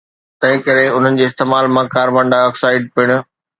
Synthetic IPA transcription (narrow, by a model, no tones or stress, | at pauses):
t̪ɐ̃ɦɪ̃kɐɾeʊn̤ənɪ̆d͡ʑeːst̪eːmaːlmãkaːɾbɐ̃ɳɖaɔːksaːɪɖ̚pɪɽ̃ʊ̆